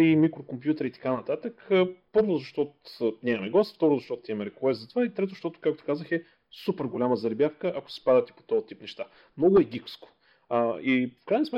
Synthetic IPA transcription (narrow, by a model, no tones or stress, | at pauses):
imikɾokompjut̪ɛɾit̪ɐ̥kanɐt̪at̪əkəpɤɾvozɐʃt̪ɔnʲaɐmɛɡlˠasft̪ɔɾozɐʃt̪ɔt̪ʊt̪iɛmɛɾɛkuɛst̪zɐt̪ovait̪ɾɛt̪̬oʃt̪ɔt̪ʊ̥kak̚t̪o̥kazəxɛ | supɛɾɡolʲaməzɐɾɛbʲjafkəʔɐko̥si̥pad̪ət̪ɛ̥po̥t̪ɔt̪ipnɛʃt̪a | mnɔɡʊɛɡʲiksko̥ | ifkɾajnəsmɛ